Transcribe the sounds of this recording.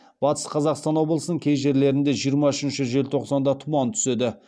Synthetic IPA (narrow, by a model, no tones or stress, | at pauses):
bɑt̪əsqʰɑzɑqst̪ɑnwo̞blˠəsənəɴkʲʰejʒe̞ɾle̞ɾɪnd̪e̞ʒijəɾmɑʏʃɪnʃɪʒe̞lt̪ʰo̞qsɑnd̪ɑt̪ʰʊmɑnt̪ʰʏ̥se̞d̪ɪ